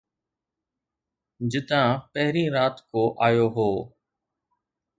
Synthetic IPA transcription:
d͡ʒɪt̪ãːpəɦɾĩːɾaːt̪koːʔaːjoːɦoː

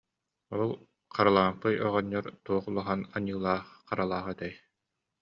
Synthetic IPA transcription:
ɔlˠ | qʰaɾalˠaːmpɯjɔʁɔɲːɔɾt̪uɔχulˠɔɦanaɲɯːlˠaːχqaɾalˠaːʁat̪ɛj

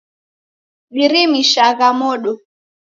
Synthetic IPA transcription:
viɾimiʃaɣamɔɗɔ

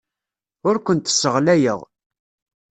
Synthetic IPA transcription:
ʊɾkʷənt̪ə̥sːəʁlæjə̰ʁ

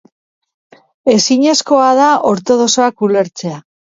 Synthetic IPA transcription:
e̞siɲe̞sko̞aðaʔo̞ɾt̪o̞ð̞o̞so̞akule̞ɾt͡se̞a

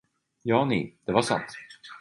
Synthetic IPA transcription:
jɑːnḭːd̪̥ɛvasa̰nt̪

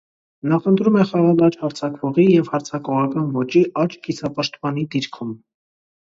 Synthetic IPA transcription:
nɑχənt̪ʰɾumɛχɑʁɑlɑt͡ʃhɑɾt͡sʰɑkvɔʁijɛvhɑɾt͡sʰɑkɔʁɑkɑnvɔt͡ʃiʔɑt͡ʃɡisʰɑpɑʃt̪pɑnid̪iɾkʰum

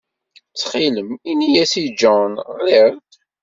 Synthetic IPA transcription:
t͡sːχiləminijæsid͡ʒɔnʁɪɾ

